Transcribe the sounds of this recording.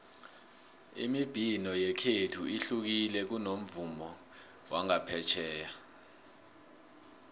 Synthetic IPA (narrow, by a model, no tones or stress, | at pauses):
ḭmib̥ʱinɔjɛkʰetʰuiɬuk̬ilɛk̬unom̩vumɔ | wʔaŋapʰɛt͡ʃʰɛːja